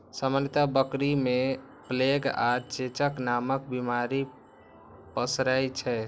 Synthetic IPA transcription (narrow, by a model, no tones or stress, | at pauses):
səmənt̪abəkɾime | pleɡat͡ʃet͡ʃəknamək̚bimaɾi | pəsɾɛjt͡ʃʰɛ